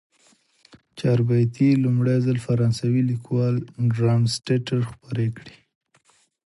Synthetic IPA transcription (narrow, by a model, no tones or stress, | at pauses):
t͡ʃɑɾbat̪ilumɽajzalfaɾɑnsawilikwɑlɖɾɑmsʈeʈaɾxpəɾekɽi̥